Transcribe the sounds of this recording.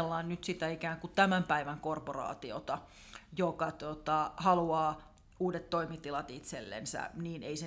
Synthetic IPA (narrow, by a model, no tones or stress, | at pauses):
lːɑːnnyt̪sit̪æikæːŋkutt̪æmæmpæiʋæŋkorporɑ̰ːt̪iot̪ɑ | jokɑt̪ot̪ɑhɑluɑː | uːdet̪toimit̪ilɑt̪it̪selːḛnsæ̰niːneise